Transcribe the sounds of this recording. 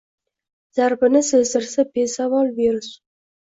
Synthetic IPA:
z̥aɾbɪnɪsɵzɪɾsabesavɒlˠveɾɪs

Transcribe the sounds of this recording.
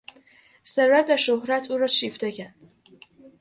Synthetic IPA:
seɾvæt̪̚væʃohɾæt̪ʰuːɾɒːʃiːft̪ecʰæɾd̪̥

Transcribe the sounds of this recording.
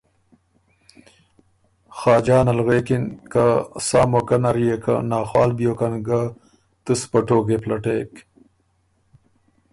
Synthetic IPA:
xɑːd͡ʒɑːnalɣeːkinkasaːmokanaɾijekʰa̰naːxwɑːlbjokanɡa | t̪ɨspɐʈoːɡeplaʈeːk

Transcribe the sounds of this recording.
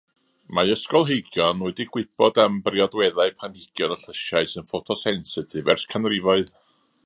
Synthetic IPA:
maɨəskɔlˠɦejɡjɔnuːɨdiɡ̥wɪb̥ɔdambrjɔdwɛðaɨpʰanhɪɡ̥jɔnɔɬəʃaɨsɨnfɔtʰɔsɛnsɪtʰɪvɛ̰rskʰanrɪvɔɨð

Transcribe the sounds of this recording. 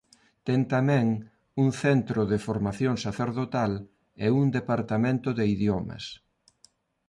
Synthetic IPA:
t̪ɛŋt̪amɛ̃ŋ | uŋθent̪ɾʊðɪfoɾmaθjoŋsaθeɾðot̪al | euŋd̪epaɾt̪amẽnt̪ʊðɪiðjomɐ̰s

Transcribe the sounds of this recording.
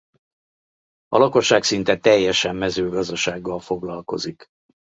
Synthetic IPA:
ɒlɒko̞ʃːaːksint̪ɛt̪ɛjːɛʃɛmːɛzøːɡɒzd̪ɒʃaːɡːɒlfo̞ɡlɒlko̞̰zik

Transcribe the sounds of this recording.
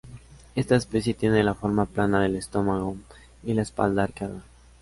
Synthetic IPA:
e̞st̪aespesjet̪je̞neðelafo̞ɾmaplanaðe̞le̞st̪o̞maɣo | ilaespa̰ld̪aaɾkaða

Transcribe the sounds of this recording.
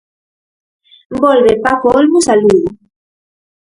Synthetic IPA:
mbɔlβepakolmusaluðu

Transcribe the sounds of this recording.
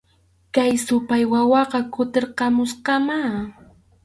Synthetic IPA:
kajsʊpajwawɑqɑkʊt̪eɾqɑmʊsqɑmaː

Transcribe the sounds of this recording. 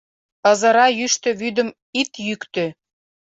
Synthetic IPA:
ɤ̆zɤ̆ɾɑjyʃt̪ø̆βyd̪ə̆m | it̪jykt̪ø

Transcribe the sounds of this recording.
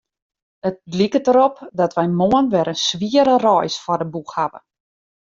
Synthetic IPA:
ət̚likətəɾɔpdɔtʋɛjmoənʋɛɾənsʋiəɾərɔːjsfɔrdəbuxhabə̰

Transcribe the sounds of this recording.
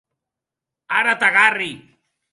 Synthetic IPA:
aɾat̪aɣari

